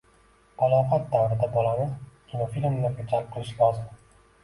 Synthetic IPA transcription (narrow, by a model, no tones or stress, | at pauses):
balˠɒfat̪̚d̪awɾɪd̪abɒlanɪkʲʰinofilʲmlakʲʊt͡ʃʰaɾɪp̚qʰɨlˠɪʃlɒzɪm